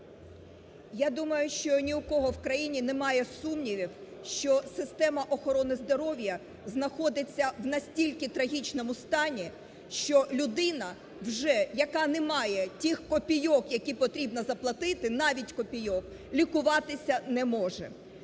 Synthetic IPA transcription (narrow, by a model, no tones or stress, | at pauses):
jad̪umɐjʊʃt͡ʃɔnʲiʊkɔɦɔwkɾɐjinʲinɛmɑjɛsumnʲiʋʲiwʃt͡ʃɔsɪst̪ɛmɐʔɔxɔɾɔnɪzd̪ɔɾɔʋʲjɐ | znɐxɔd̪ɪt͡sʲːɐwnɐsʲtʲilʲkɪt̪ɾɐɦʲit͡ʃnɔmʊst̪ɑnʲi | ʃt͡ʃɔlʲʊd̪ɪnɐ | wʒɛjɐkɑnɛmɑjɛtʲixkɔpʲijɔkjɐkʲipɔt̪ɾʲibnɐzɐplˠɐt̪ɪt̪ɪnɑʋʲitʲkɔpʲijɔk | lʲikʊʋɑt̪ɪsʲɐnɛmɔʒɛ̰